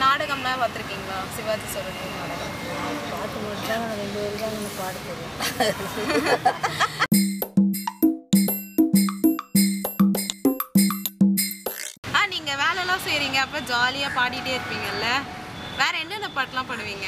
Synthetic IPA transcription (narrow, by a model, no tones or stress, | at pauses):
naːɽɐɣɐmaːʋaːt̪ːɪɾɯkːiːŋɡɐɭãːsɪʋaːd̪isɔɾɯʈːinaːɽɐɣɐm | ɐpaːʈːɯmʊɽɪt͡ʃːãːnãːɾɛɳd̪ɯɛɾɯkãːŋɛnːɐpaːʈɯp̪ːeɾẽ | aːniːŋɡɐʋeːlɛlãːsɛjɾiːŋɡɐːpːɾɐ̃d͡ʒaːlɪjaːpaːɽɪʈːeːɪɾɯpːiːŋɡɐɪlːɐʋeːɾɐɛnːɐnɐpaːʈːɐlãːpɐɳːɯʋiːŋɡɐ